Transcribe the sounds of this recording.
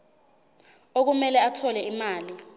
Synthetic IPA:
ok̬umɛlɛatʰɔlɛimaːli

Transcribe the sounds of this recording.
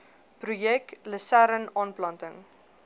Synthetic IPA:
prujɛk̚ləsæɾənɑːnplɐntəŋ

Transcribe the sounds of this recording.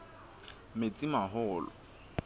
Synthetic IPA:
met͡sʼimaɦʊːlɔ̰

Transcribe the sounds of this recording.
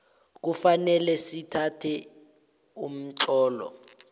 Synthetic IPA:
k̬ufanɛlɛsitʰatʰɛ | um̩ǀɔːlɔ̰

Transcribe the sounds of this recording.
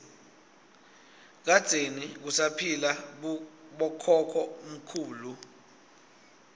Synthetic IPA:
k̬ad̥z̥ʱenik̬usapʰila | ɓɔkʰɔkʰɔm̩kʰuːlu

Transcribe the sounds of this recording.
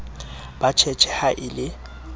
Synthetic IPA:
b̥at͡ʃʰɛt͡ʃʰɛhaʔɪlɪ

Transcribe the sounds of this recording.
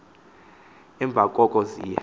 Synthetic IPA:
ɛmbvʱakʼɔkʼɔzḭːja̰

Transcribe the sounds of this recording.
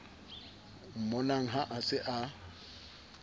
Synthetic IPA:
m̩mɔnaŋ̩ɦaʔasɪʔa

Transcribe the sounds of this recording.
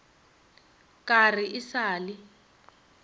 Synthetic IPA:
kar̤iʔɪsaːli

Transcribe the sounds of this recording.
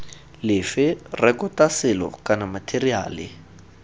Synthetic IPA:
lɪfɪrɛkʊtasɪlɔ̰kʼanamatʰeria̰ːlɪ̰

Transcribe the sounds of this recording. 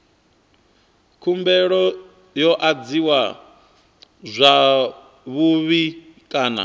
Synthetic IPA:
kʰumbɛɺɔ | jɔʔad͡ziwa | zʷa | βuβikʼaːna̰

